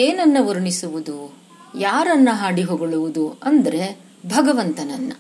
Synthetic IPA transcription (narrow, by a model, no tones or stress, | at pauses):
eːnɐnːɐʋɐɾuɳisuʋud̪u | jaːɾɐnːɐɦaːɽiɦoːɡoɭuʋud̪uɐnd̪ɐɾe̞ | bʱɐɡɐʋɐnt̪ɐnɐnːɐ